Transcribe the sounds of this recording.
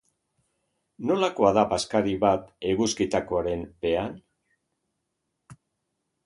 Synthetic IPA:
no̞lako̞aðapaskaɾiβat̪e̞ɣuskit̪akoaɾe̞mbe̞an

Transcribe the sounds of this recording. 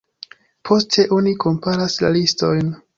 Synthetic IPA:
pʰo̞stʰe̞ʔo̞nikʰo̞mpaɾasla̰listo̞jn

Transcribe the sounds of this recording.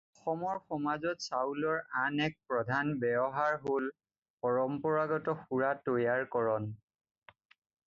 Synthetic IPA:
ɔxɔmɔɹxɔmazɔtsawlɔɹanɛk̚pɹɔdʱanbɛbɔɦaɹɦol | pɔɹɔmpɔɹaɡɔtɔxuɹatojaɹkɔɹɔn

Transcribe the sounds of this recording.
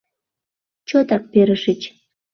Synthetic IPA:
t͡ɕot̪ɑk̚peɾəʃət͡ɕ

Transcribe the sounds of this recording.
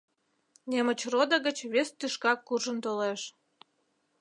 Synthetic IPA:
nemət͡ɕrod̪əɣət͡ɕβest̪yʃkɑkːurʒənt̪oleʃ

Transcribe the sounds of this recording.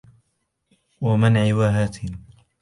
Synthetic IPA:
wamanʕɪwaːɦaːt̪ɪ

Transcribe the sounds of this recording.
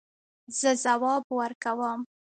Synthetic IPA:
z̥əzawɑbwəɾkawəm

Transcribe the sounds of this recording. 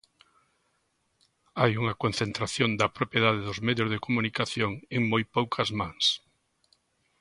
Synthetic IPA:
ajuŋɐkon̟θẽnt̪ɾaθjond̪ɐpɾopjeðaðeðʊzmeðjʊzðekomunikaθjoŋeŋmojpowkʰɐzmãŋs

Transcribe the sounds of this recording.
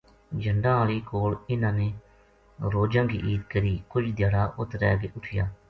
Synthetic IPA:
d͡ʒəɳɖãːaːliːkoːlɪnãːneː | ɾoːd͡ʒãːɡḭːʔiːt̪kəɾiːkʊd͡ʒd̪jaːɽaːʔʊt̪ɾɛ̰ːɡeːʔʊʈʰɪja̰ː

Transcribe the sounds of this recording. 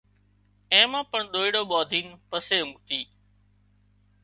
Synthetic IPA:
ẽːmãːpəɳɗ̪oːiːɽoːɓɔːd̪ʱiːnpəseːmʊt̪iː

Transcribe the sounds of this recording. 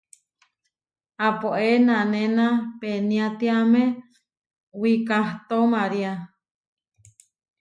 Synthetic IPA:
apoʔenãnẽnãpenĩat̪iamẽ | wikaht̪omaɾia

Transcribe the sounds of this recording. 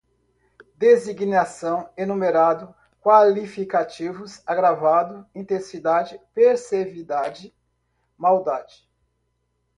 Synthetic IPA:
d̪eziɡnasɐ̃w̃enũmeɾad̪ʊ | kwalifikat͡ʃivʊsaɡɾavad̪ʊĩt̪ẽsid̪ad͡ʒɪpeɾsevid̪ad͡ʒɪ | mawd̪ad͡ʒɪ̥

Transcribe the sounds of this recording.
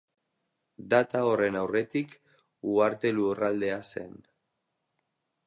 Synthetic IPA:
d̪at̪ao̞re̞nawre̞t̪ik | uaɾt̪e̞lurald̪e̞ase̞̰n

